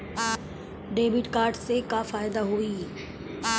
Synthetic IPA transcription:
ɖeːbɪʈkaːɾɖsekafaːɪd̪aɦuiː

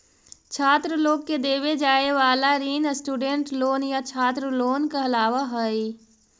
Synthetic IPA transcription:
t͡ʃʰaːt̪ɾəloːɡ̚ked̪eːwed͡ʒaːeʋaːlaɾiːnəsʈuːɖeɳʈloːnjat͡ʃʰaːt̪ɾəloːnkeɐlaːwaɦɛi

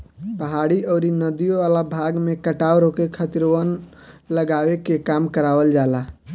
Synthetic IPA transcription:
pəɦaɽiɔːɾinəd̪ijõʋalabʱaɡmẽkəʈawɾokekʰət̪iɾən | ləɡawekekamkəɾawəld͡ʒala

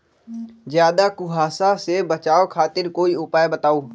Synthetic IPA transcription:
zjaːd̪akʊɦaːsasebət͡ʃaːokʰaːt̪ɪɾkoːiʊpaːjebət̪aːoː

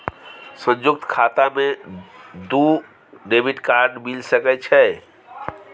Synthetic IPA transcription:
sə̃nd͡ʒuk̚t̪kʰat̪ame | d̪u | ɖebiʈkaɾɖmilsəkɛt͡ʃʰɛ

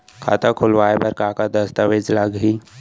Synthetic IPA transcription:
kʰa̰ːt̪akʰʊlʋaːepɐɾkaːkad̪ɐst̪əʋeːd͡ʒləɡɦiː

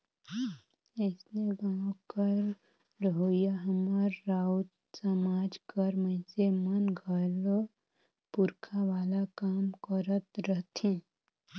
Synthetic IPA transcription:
əsneɡaːwkəɾ | ɾəɦoːjaɦəməɾːaːut̪ | səmaːd͡ʒkəɾmə̃ɪ̃semənɡʱəl | pʊɾkʰaʋaːlakaːmkəɾət̪ɾəɦt̪ʰĩː

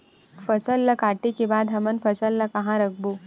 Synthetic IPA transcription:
fəsəlːəkaʈikibad̪ɦəmənfəsəlːəkəɦãɾək̚ʰbo

